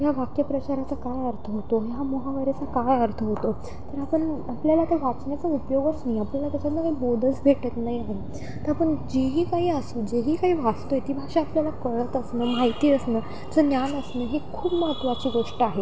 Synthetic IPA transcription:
jaʋakjəpɾət͡ɕaɾat͡sakajəɾt̪ʰəɦot̪oɦjamoɦaʋəɾat͡sakajəɾt̪ʰəɦot̪o | t̪əɾapəɳapljalat̪əʋat͡sɳjat͡saupjoɡəsnaiapəɳlat̪at͡ɕat̪nakaibod̪ʱət͡sbʱeʈət̪naɦiaɦe | t̪əɾapəɳd͡ʑeɦiːkaɦiːəsuːd͡ʑeɦiːkaɦiːʋast̪ojet̪ibʱaɕaapljalakəɭət̪əsnəːmaɦit̪iːəsnəː | t͡sənjanəsnəːɦekʰuːbməɦət̪ʋat͡ɕiːɡoʂʈəaɦe

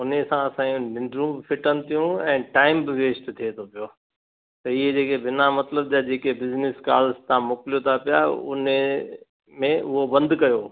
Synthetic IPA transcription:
ʊnesãɐsãːjũnɪ̃ɳɖɾũːbɪfʰɪʈʰənɪ̆t̪ʰijũɛ̃ːʈaːɪmbɪʋeːsʈt̪ʰiet̪ʰopijoː | t̪ɐɪɦed͡ʑeːkebɪnamɐt̪ləb̚d͡ʑad͡ʑeːkebɪznɪska̰ːlst̪ãmʊkɪljot̪ʰapijaʊ̰ne | mẽʊɦobɐ̃nd̪kɐjoː

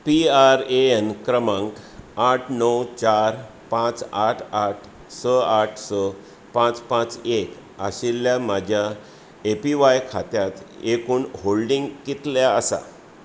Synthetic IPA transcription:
piaɾeenkɾəmãŋkaʈʰnəwt͡ɕaɾ | pãt͡saʈʰaʈʰ | səaʈʰsə | pãt͡spãt͡sek | a̰ɕilːjamad͡ʑʱja | epiʋajkʰat̪jat̪ekuːnɦolɖiŋɡkit̪ljaəsa̰

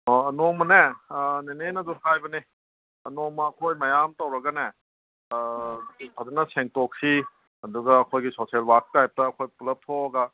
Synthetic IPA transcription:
ɐnoŋmɐnenenenɐduhajbɐni | ɐnoŋmɐːkʰojmɐjamtɐwɾɐɡɐne | pʰazɐnɐseŋtok̚si | ɐduɡɐːkʰojɡisoselwak̚tajp̚tɐːkʰojpulɐp̚tʰoɐɡɐ

